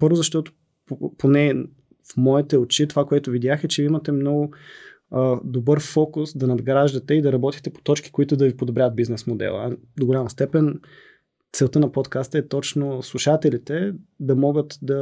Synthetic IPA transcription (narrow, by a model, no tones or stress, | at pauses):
pɤɾvʊzɐʃt̪ɔt̪ʊ̥ | ppʰonɛ | fmɔit̪ɛot͡ʃit̪ovakoɛt̪ʊvid̪jaxɛt͡ʃɛimɐt̪ɛmnɔɡʊ | d̪obɤɾfɔkʊsd̪ɐnɐd̪ɡɾaʒd̪ɐt̪ɛid̪ɐɾɐbɔt̪it̪ɛpo̥t̪ɔt͡ʃki̥koit̪ʊd̪ɐvipod̪obɾʲavət̪̚biznɛsmod̪ɛ̰lˠə̰d̪oɡolʲamɐst̪ɛpɛn | t̪sɛlˠt̪ənɐpot̪kast̪əɛt̪ɔt͡ʃnoslˠuʃat̪ɛlit̪ɛd̪ɐmɔɡət̪d̪ɐ